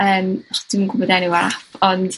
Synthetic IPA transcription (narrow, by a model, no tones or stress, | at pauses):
əːmχd̥ɪmɡʊbɔdaniwafɔnd